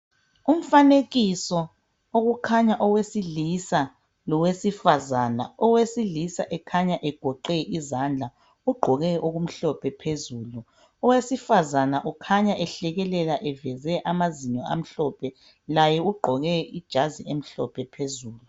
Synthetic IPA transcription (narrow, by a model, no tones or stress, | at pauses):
um̩faneɣisɔ | oɣukʰaɲaʔɔwesilisa | lɔwesifazana̰ɔwesilisa̰ʔɛkʰaɲaʔɛɡ̥ʱɔǃɛʔizand͡ɮʱa | uɡ͡ǃʱɔɣɛʔoɣum̩ɬɔpʰɛpʰezuːlu | ɔwesifazanaʔukʰaɲaʔɛɬɛɣɛlɛlaʔɛvɛzɛʔamaziɲɔa̰m̩ɬɔpʰɛ | lajɛuɡ͡ǃʱɔɣɛid̥ʒ̥ʱaziem̩ɬɔpʰɛpʰezuːlu